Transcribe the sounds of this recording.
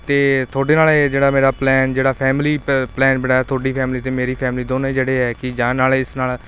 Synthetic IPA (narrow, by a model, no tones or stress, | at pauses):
t̪eːt̪ʰoːɖeːnaːled͡ʒeːɽaːmeːɾaːplɛːnd͡ʒeːɽaːpʰɛːmliːplɛːnbɪnaːaːt̪ʰoːɖiːpʰɛːmliːt̪eːmeːɾiːpʰɛːmliːd̪oːnõiːd͡ʒeːɽeːɦɛːkɪd͡ʒãːnaːleɪsnaːl